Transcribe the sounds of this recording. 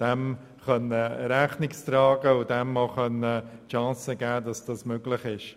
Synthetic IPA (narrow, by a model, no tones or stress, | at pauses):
d̥ɛm | χœnəɾɛχnɪkstɾɑːɡ̥əʊdɛmːɑχœnəʃɑ̃səɡɛːdɑsd̥ɑsmøɡlɪχɪʃ